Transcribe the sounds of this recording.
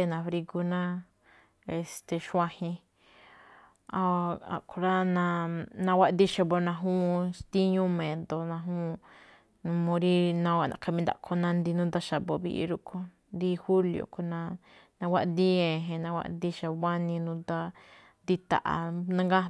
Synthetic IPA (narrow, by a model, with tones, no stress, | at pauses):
e˦˧nã˨˧fɾi˧ɡu˧nã˦ | e˨st̪e˨ʃwã˧hĩ˧ | a˧a̰˨ko˧ɾa˦nã˧nã˧wa˦˧d̪i˦ʃa˧bo˧nã˧ɦũ˦˧st̪i˦ɲũ˦mẽ˨d̪o˨nã˧ɦũ˦˧ | nũ˧mõ˧ɾi˦nã˧wʷa˧˨nã̰˧˨ka˧mĩ˧nd̪a̰˨ʔkʰo˧nã˧nd̪i˧nũ˦d̪a˦ʃa˨bo˧βḭ˧ʔḭ˧ɾu˦kʰo˧ | nd̪i˦hu˦ljo̰˨ko˧nã˧ | nã˧wa˦˧d̪i˦ẽ˨ɦẽ˧nã˧wʷa̰˧ʔ̪d̪i˧ʃa˧βa˦nĩ˧nũ˧d̪a˦ | nd̪i˧t̪a̰˨ʔa̰˧nã˧ŋɡa˦